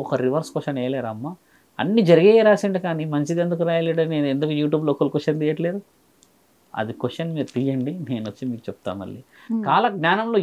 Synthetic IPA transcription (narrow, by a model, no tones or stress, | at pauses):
ɔkɐɾiʋɐɾskoʂɐnɛːjɐleːɾɐmːa | ɐ̰nːid͡ʒɐɾiɡeːɾaːsiɳɖikaːnimɐɲt͡ʃid̪end̪ukuɾaːjɐleɽɐneːnend̪ukujuːʈ̬juːbloːkulkʋosɐnd̪ijɐʈleːɾu | ɐ̰d̪ikosɐnmiːɾut̪ijɐɳɖine̞ːnʋɐt͡ʃːimiːku̥t͡ʃepu̥t̪a̰ːnmɐ̰ɭːḭː | kaːlɐɡnʲaːnɐmloː